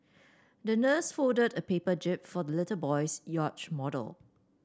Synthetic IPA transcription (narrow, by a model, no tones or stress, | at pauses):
dənəsfɔdədəpeːpəd͡ʒɪp̚fɔdəlɪtəbɔɪsjɔt͡ʃmɔdə̰lˠ